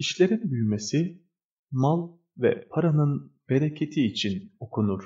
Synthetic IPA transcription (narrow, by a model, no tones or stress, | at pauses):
iʃlʲe̞ɾinbyjme̞si | malˠ | vɛ̰pʰaɾanɯnb̥e̞ɾecʰe̞t̪ʰiːt͡ʃʰino̞kʰunuɾ̥